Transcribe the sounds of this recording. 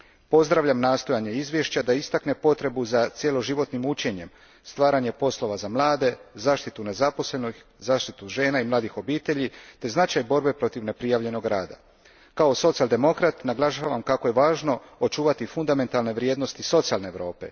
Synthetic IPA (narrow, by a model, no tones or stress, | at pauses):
po̞zd̪ɾaʋʎamnaːst̪o̞jaɲe̞izʋje̞ʃt͡ɕad̪aist̪akne̞po̞t̪ɾe̞buzat̪sje̞lo̞ʒiʋo̞t̪nimut͡ɕe̞ɲe̞m | st̪ʋaːɾaɲe̞po̞slˠo̞ʋazamlˠaːd̪e̞zaːʃt̪it̪une̞zapo̞sle̞noçzaːʃt̪it̪uʒe̞ːnaimlˠaːd̪ixo̞biːt̪e̞ʎit̪e̞znat͡ʃajbo̞ɾbe̞pɾo̞t̪iʋne̞pɾijaʋʎe̞no̞ɡɾaːd̪a̰ | kao̞so̞t̪siald̪e̞mo̞kɾat̪naɡlˠaʃaʋamkako̞je̞ʋaːʒno̞ | ot͡ʃuːʋat̪ifund̪ame̞nt̪alˠne̞ʋɾjeːd̪nost̪iso̞t̪sialne̞ːʋɾo̞ːpe̞̰